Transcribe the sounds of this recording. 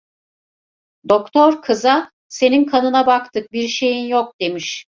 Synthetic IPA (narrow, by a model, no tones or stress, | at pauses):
d̪okt̪ʰo̞ɾkʰɯza | se̞ninkʰanɯnabakt̪ʰɯk̚biɾʃe̞jinjok̚d̪̥e̞miʃ